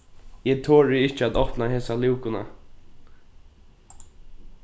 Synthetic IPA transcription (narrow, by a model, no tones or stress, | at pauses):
ɛt̪ʰoːɹɪɪht͡ʃɪat̪ɔhpnaɦeːsalɪwkʊna̰